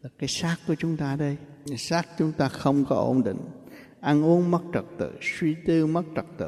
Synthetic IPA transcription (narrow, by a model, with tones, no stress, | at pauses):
laː˨˩kaː˨˦jsaː˦˥kku˧˩ət͡ɕʊ˨˦ŋ͡mt̪aː˧ɗə˧j | saː˦˥k̚t͡ɕʊ˨˦ŋ͡mt̪aː˧xə˧wŋ͡mkɔ˨˦ʔo˧˩nɗḭ̈˧˨ŋ̟ | ʔa˧nʔu˨˦ənmə˦˥t̚t͡ɕə˨˩k̚t̪ɨ̰˧˨swi˧t̪ɨ˧mə˦˥t̚t͡ɕə˨˩k̚t̪ɨ̰˧˨